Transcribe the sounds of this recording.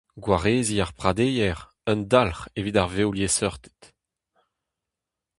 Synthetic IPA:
ɡwaʁeːziaʁpχad̪ejɛʁ | œnd̪alχevid̪aʁvewljesœʁt̪e̥t̪

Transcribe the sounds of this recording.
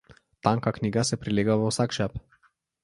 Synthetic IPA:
t̪aːŋkakniːɡasɛpɾileːɡaʋəwsaːkʃap

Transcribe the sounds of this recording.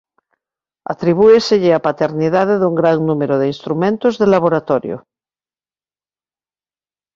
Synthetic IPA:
a̰t̪ɾiβueseʎeapat̪eɾniðaðeðuŋɡɾaŋnumeɾoðeinst̪ɾumẽnt̪ozðelaβ̞oɾat̪oɾjo̰

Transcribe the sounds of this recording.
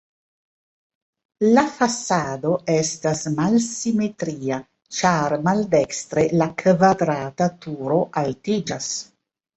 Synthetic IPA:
lafasadoʔestasmalsimet̪ɾiːa | t͡ʃaɾmaldekst̪ɾelakvad̪ɾaːt̪at̪uɾoʔaltid͡ʒas

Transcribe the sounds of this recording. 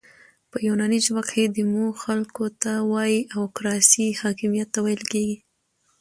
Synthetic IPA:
pəjunɑniʃbaqxed̪əmuɡxalkot̪awɑjiʔawkɾɑsihɑkɪmijat̪ːawajəlkeɡi

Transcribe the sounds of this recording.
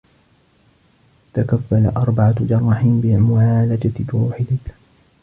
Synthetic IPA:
t̪akafːala̰ʔɑɾˤbaʕad͡ʒɑɾˤːɑħɪbɪmʊʕaːlad͡ʒat̪waːħɪd̪ɪ

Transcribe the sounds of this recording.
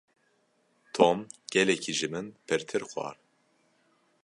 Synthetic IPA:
t̪ʰomɡ̥ɛlɛcʰiʒɨmɨnpʰɨɾt̪ʰɨɾxʷɑ̰ːɾ

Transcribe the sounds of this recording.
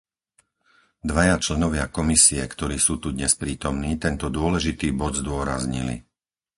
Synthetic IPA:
d̪ʋajat͡ʃlɛnɔʋɪakɔmisiɛkt̪ɔɾiːsuːt̪ud̪ɲɛspɾiːt̪ɔmniːt̪ɛnt̪ɔd̪ʊɔlɛʒit̪iːbɔd̪zd̪ʊɔɾa̰zɲḭlḭ

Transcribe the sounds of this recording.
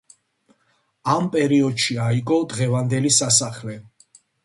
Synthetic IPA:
ampʼɛɾiɔd̪ʃiaiɡɔd̪ʁɛvand̪ɛlisasaχlɛ

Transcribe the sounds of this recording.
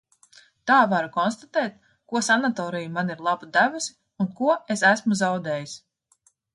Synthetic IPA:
t̪aːvaɾukɔnst̪at̪ɛːt̪̚ | kuɔsanat̪ɔːɾijumaniɾlˠabud̪ævusi | unkuɔesæsmuzawd̪ɛːjis

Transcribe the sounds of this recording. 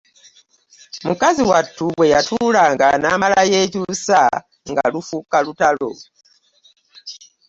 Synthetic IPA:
mukaziwatːuwejatʰulaŋɡanamalajet͡ʃusa̰ | ŋɡa̰lufukalutalo̰

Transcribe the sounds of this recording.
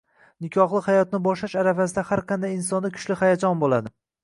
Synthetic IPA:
nɪkʲʰɒχlˠɪhajɒt̪nɪbɒʃlaʃaɾafas̬ɪd̪ahaɾqʰɑnd̪ajɪnsɒnd̪akʲʰʊ̥ʃlɪhajad͡ʒɒnbolˠad̪ɪ

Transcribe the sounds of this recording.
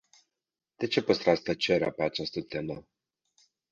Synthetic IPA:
d̪̥e̞t͡ʃe̞pəst̪ɾast̪ət͡ʃeɾea̰peat͡ʃast̪ət̪e̞mə

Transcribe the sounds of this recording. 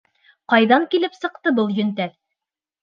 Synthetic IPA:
qɑjðɑŋkilɘpsɤ̆qt̪ɤbɤlˠjɵ̆nt̪æð

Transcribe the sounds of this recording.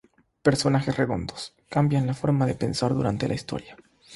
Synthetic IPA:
pe̞ɾso̞naxesre̞ɣo̞nd̪o̞s | kambjanlafo̞ɾmaðe̞pe̞nsaɾðuɾa̰nt̪e̞laist̪o̞̰ɾja

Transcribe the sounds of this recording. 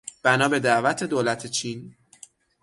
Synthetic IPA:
b̥ænɒːbe̞d̪æʔvæt̪ʰe̞d̪oːlæt̪ʰet͡ʃʰin

